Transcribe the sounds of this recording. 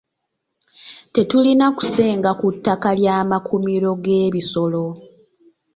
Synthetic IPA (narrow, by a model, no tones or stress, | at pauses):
te̞tulinaku̥se̞ːŋɡakutːakaljaːmakʰumiɾo̞ɡe̞ːβiso̞lo̞